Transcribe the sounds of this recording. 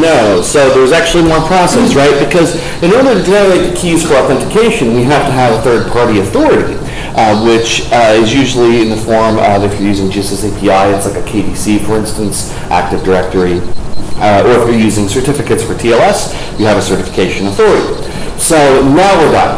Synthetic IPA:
noʊsoʊðə˞zæk̚t͡ʃʉl̩ˠiwʌ̃npʰɹ̥ɑsɛsɹaɪt̚b̥ɨkʰʌz | ɨ̃ñɔɹɾə˞ɾɨdæmleɪt̪̚ɨkʰiz̥fə˞ɔθɛ̃ntɨkʰeɪʃɨ̃nwiɦæftɨəvəθɜ˞d̚pʰɑɹɾiɨθɔɹɨɾḭ | wɪt͡ʃɪzjʉʒl̩ˠiɨ̃nðɨfɔɹmʌvɨfjə˞jʉzɪ̃ŋd͡ʒisɛseɪpʰiaɪɨtslaɪkɨkʰeɪvisifə˞ɪ̃nstɨ̃n̩s | ʔæ̰k̚tɨvdə˞ɛk̚tə˞i | ə˞ɨfjə˞jʉzɪ̃ŋsə˞tʰɪfɨkɨtsfə˞tʰiɛlˠɛs | wiɨvɨsɜ˞ɾɨfə̥kʰeɪʃɨ̃nəθɔɹɨɾḭ | soʊnaʊə˞ðɑ̰

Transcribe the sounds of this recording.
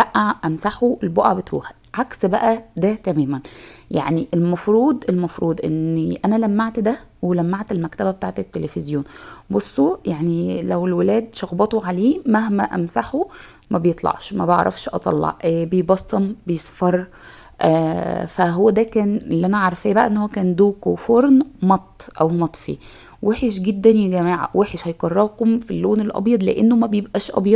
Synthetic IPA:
bæʔaʔæmsaħoelboʔaʕbet̪ɾṵːħæ̥ | ʕaksbæʔæd̪æt̪æmæːmænjaʕniʔelmɑfɾˤuːd̪ˤʔelmɑfɾˤuːd̪ˤʔḛnːʔænælæmːaʕt̪d̪æwelæmːaʕt̪elmækt̪æbæbet̪aːʕt̪et̪ːelefezjoːnbosˤːojaʕnilæwelwelæːd̪ʃɑɣbɑt̪oʕaleːmæhmæʔæmsaħo | mæbejet̪ˤlɑ̰ʕʃmæbeʕɾˤʔɑ̰fʃʔɑt̪ˤɑ̰lːɑ̰ʕbejbɑsːɑmbejesˤfɑɾˤ | ʔæːfæɦowːæd̪æːkæːnlːiʔænæʕɑɾˤɑfejːæbæʔæ̰ʔenːhowːækæːnd̪oːkofoɾˤnmɑt̪ˤːʔæwmɑt̪ˤfḭ | weħeʃɡed̪ːænjæɡæmæːʕa̰wʔeħeʃhɑjqɑrˤːɑbkomfilːoːnelʔɑ̰bjɑd̪ˤleʔenːomæbejebʔæːʃʔɑ̰bjɑd̪

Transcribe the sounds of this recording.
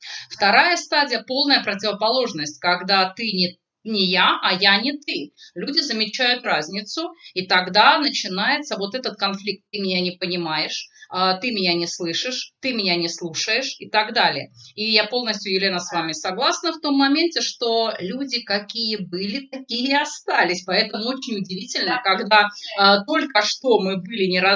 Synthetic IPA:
ft̪ɐɾajəst̪adʲɪjəpo̞lˠnəjəpɾətʲɪvəpɐlˠo̞ʐnəsʲtʲkɐɡd̪at̪ɨnʲɪ | nʲɪjaʔɐjanʲɪt̪ɨlʲudʲɪzəmʲɪt͡ɕæjʊt̪razʲnʲɪt̪sʊit̪ɐɡd̪anət͡ɕɪnajɪt̪səvo̞t̪ɛt̪ət̪̚kɐnflʲik̚t̪ːɨmʲɪnʲanʲɪpənʲɪmajɪʂət̪ɨmʲɪnʲanʲɪslˠɨʂɨʂt̪ɨmʲɪnʲanʲɪslˠuʂəjɪʂɪt̪ɐɡd̪alʲɪjəijapo̞lˠnəsʲtʲjʊjɪlʲenəsvamʲɪsɐɡlˠasnəft̪o̞mːɐmʲentʲɪʂt̪o̞lʲudʲɪkɐkʲijəbɨlʲɪt̪ɐkʲijəɐst̪alʲɪsʲpɐɛt̪əmʊot͡ɕɪnʲʊdʲɪvʲitʲɪlʲnəkɐɡd̪at̪o̞lʲkəʂt̪o̞mɨbɨlʲɪnʲɪɾa

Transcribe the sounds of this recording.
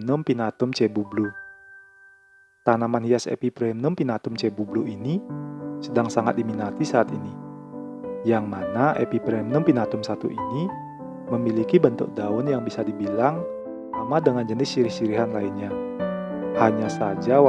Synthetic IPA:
nʊmpinat̪ʊmt͡ʃɛbublu | t̪anamanhiasɛ̰pipɾɛmnʊmpinat̪ʊmt͡ʃɛbubluʔinisədaŋsaŋat̪̚diminat̪isaːt̪ini | jaŋmanaʔḛpipɾɛmnʊmpinat̪ʊmsat̪ṵʔini | məmilikibənt̪ʊ̰k̚daʊnjaŋbisadibilaŋ | samadəŋand͡ʒənɪsʃiɾihʃiɾiɦanlainɲa | haɲasad͡ʒa

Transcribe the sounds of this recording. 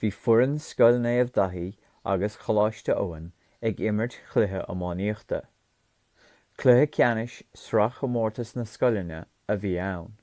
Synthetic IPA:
viːfʊɹənskɔlneəvd̪aɦiː | a̰ɡəsxəlaːʃtəʔoːən | ɛɡɪməɹdxʰlɪɦəʔə̰mɑːniːxt̪ʰə̰ | kʰlɪhəkʰjanɪʃsɾaxəmɔːɹt̪əsnəskɔlənə̰ | əviːawn

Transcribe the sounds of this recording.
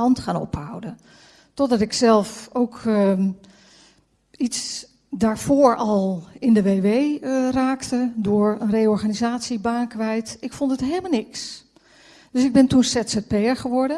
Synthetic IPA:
ɑntχaːnɔ̰pɦʌwdən | tɔdɑtɪksɛlˠfowk | its | daːɹv̥ʊːɹɑlˠɪndəʋeːʋejraːktədʊːɹənrejɔɹχaːnizaːtsibaːnkʋɛjtɪkfɔntətɦeləmalˠnɪks | d̥ɵsɪɡ̚bɪntunsɛtsɛt̚peəɹχəʋɔɹdə

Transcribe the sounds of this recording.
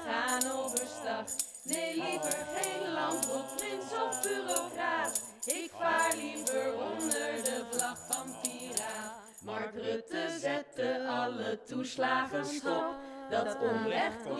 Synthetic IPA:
χaːnowvəstɑχ | nejlivəɹχejnlɑntbɔtrɪnsɔfbyrokraːt | ɪkfaːɹlivəɹɔndəɹdəvlɑχfɑnpiːra | mɑɹɡrʏtəzɛt̚əɑlətuslaːχəstɔpdɑtɔmrɛχ

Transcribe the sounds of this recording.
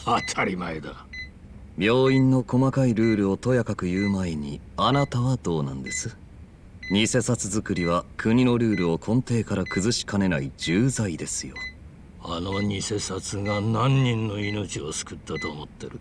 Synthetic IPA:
at̪ʰaɾʲimaed̪a | bʲjo̞ːĩnːo̞ko̞makaiɾɯ̟ːɾɯ̟o̞t̪o̞jakakɯ̟jɯːmaeɲ̟ḭanat̪aβad̪o̞ːnã̰nd̪e̞sɨ̥ | ɲ̟ise̞sat͡sɨzɨkɯ̟ɾʲiβ̞akʰɯ̟ɲ̟ino̞ɾɯ̟ːɾɯ̟o̞kʰõ̞nt̪e̞ːkaɾakɯ̟zɨɕi̥kane̞naid͡ʑɨːzaid̪e̞sɨjo̞ | anoɲise̞sat͡sɨɡanãɲ̟ːĩnːo̞ino̞t͡ɕio̞sɨ̥kɯ̟t̪ːat̪o̞ːmo̞t̪ːe̞ɾɯ̟

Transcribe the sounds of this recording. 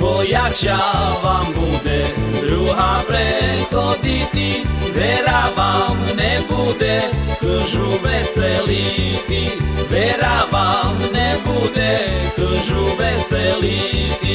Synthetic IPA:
pojat͡ʃavambud̪ɛɾuɦapɾɛkod̪it̪ivɛɾavamnɛbud̪ɛkəʒuvɛsɛlit̪ivɛɾavamnɛbud̪ɛkəʒuvɛsɛli

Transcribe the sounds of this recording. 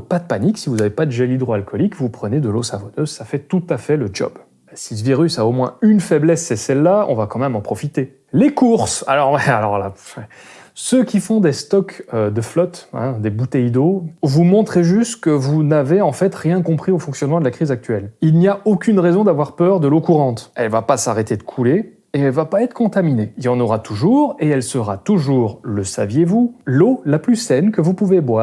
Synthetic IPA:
pad̪əpaniksivuzavepad̪əʒɛlid̪ʁoalkɔlikvupχəned̪əlosavɔnøzsafɛt̪ut̪afɛləd͡ʒɔ̰b | siləviʁysaomwɛ̰̃ynfɛblɛsːɛsɛlːaɔ̰̃vakɑ̃mɛmɑ̃pχɔfit̪e | lekuʁsa̰lɔʁwɛalɔ̰ʁla̰fɛ | søkʲifɔ̃d̪est̪ɔkød̪əflɔt̪ɛ̰̃d̪ebut̪ɛjd̪ovumɔ̃t̪χeʒyst̪kəvunaveɑ̃fɛt̪ʁjɛ̃kɔ̃pχiofɔ̃ksjɔnmɑ̃d̪əlakχizak̚t̪ɥɛlilniaokʲynʁɛzɔ̃d̪avwaʁpœʁd̪əlokuʁɑ̃t̪ɛlvapasaʁet̪ed̪əkʰule | eɛlvapaɛt̪χkɔ̃t̪amineilɑ̃nɔʁat̪ʰuʒuʁeɛlsəʁat̪uʒuːʁləsa̰vjevulolaplysɛnkəvupuvebwaːʁ

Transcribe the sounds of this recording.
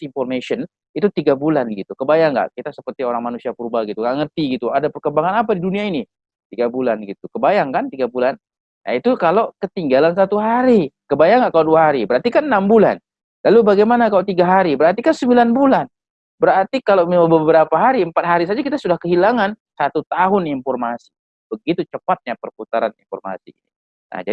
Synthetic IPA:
imfɔrmesɔn | it̪ut̪iɡabulanɡit̪ukəbajaŋɡa̰ʔkit̪asəpərt̪ioɾaŋmanusiapuɾbaɡit̪uŋɡaʔŋərt̪iɡit̪uadapərkəbaŋanapadiduniaini | t̪iɡabulanɡit̪ukəbajaŋkant̪iɡabulan | ja̰it̪ukalokət̪iŋɡalansat̪uɦaɾikəbajaŋɡaʔkaloduaɦaɾibəɾart̪ikannambula̰n | lalubaɡajmanakalot̪iɡaɦaɾibəɾart̪ikansəmbilanbulan | bəɾart̪ikalomiabəbəɾapaɦaɾiəmpat̪̚ɦaɾisad͡ʒakit̪asudahkəɦilaŋansat̪ut̪aɦʊnimfɔrmasi̥ | b̥əɡit̪ut͡ʃəpat̪̚ɲapərput̪aɾanḭnfɔ̰rma̰sḭnḭ | na̰hd͡ʒa

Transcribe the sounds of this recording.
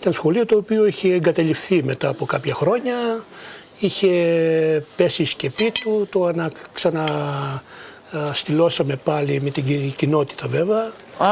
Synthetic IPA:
it̪ɐnsxo̞lio̞t̪o̞ːpio̞içeːŋɡɐt̪ɐlifθime̞t̪ɐːpo̞kɐpçɐxɾo̞ɲɐ | içe̞ | pe̞sisce̞pit̪ut̪oɐnɐksɐnɐ | st̪ilo̞sɐme̞pɐlime̞t̪iɟino̞t̪i̥t̪ɐve̞veɐ

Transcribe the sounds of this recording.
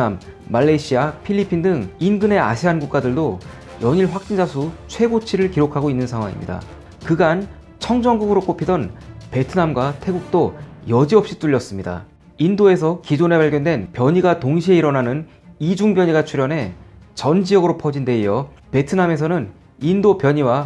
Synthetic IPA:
amː | aɭːeɕʰiapʰiʎːipʰindɯŋinɡɯne̞a̰ɕʰiɦanɡuk͈adɯɭdo | jʌɲiɭɸwak̚t͡ɕ͈ind͡ʑasʰut͡ɕʰwe̞ɡot͡ɕʰiɾɯɭkiɾokʰaɡoinːɯnsʰaŋɦwa̰ŋḭmɲḭda̰ | kɯɡan | t͡ɕʰʌŋd͡ʑʌŋɡuɡɯɾok͈opʰidʌnpe̞tʰɯnamɡwatʰe̞ɡuk̚t͈ojʌd͡ʑiʌp̚ɕ͈it͈uʎːʌs͈ɯmɲida̰ | indoe̞sʰʌkid͡ʑone̞paɭɡjʌndwe̞npjʌɲiɡatoŋɕ̬ʰie̞iɾʌnanɯn | id͡ʑuŋbjʌɲiɡat͡ɕʰuɾjʌnɦe̞t͡ɕʌnd͡ʑiʌɡɯɾopʰʌd͡ʑinde̞ijʌ | pe̞tʰɯname̞s̬ʰʌnɯn | indopjʌɲiwa

